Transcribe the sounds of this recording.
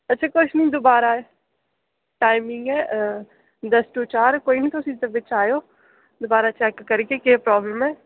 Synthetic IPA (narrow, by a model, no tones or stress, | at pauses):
ɐtːt͡ʃʰakʊt͡ʃʰnɐĩd̪obaːɾa | ʈaːɪmɪ̃ŋɡɦɛː | d̪ɐsʈut͡ʃaːɾkoːinĩt̪osit̪ɐbɪt͡ʃʰaːjoː | d̪obaːɾat͡ʃɛːkːɐɾẽkekeːpɾɔːbləmɦɛː